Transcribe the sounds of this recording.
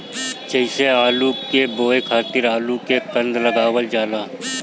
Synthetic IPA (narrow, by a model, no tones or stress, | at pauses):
t͡ʃəɪseaːlukeboːekʰaːt̪ɪɾaːlukekɐ̃nd̪lɐɡaːwəld͡ʒaːlaː